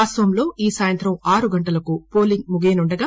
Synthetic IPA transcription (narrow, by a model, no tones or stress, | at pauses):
aːst̪ʋɐmlo̞ːiːsaːjɐnt̪ɾɐmaːɾuɡɐɳʈɐlɐkupo̞ːliŋɡ̚muɡeːnuɳɖɐɡaː